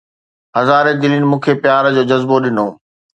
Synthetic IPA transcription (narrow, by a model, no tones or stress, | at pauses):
ɦɐzaːɾed̪ɪlinɪ̆mũːkʰepjaːɾd͡ʑoːd͡ʑɐzboɗɪnoː